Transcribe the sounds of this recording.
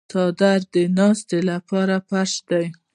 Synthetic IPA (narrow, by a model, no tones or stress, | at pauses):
t̪ɑd̪aɾd̪ənɑst̪elapɑɾapaɾʃd̪aj